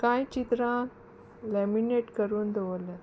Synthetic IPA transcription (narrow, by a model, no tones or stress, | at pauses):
kãjt͡ɕit̪ɾã | lɛmineʈkəɾuːnd̪ʱeʋolẽ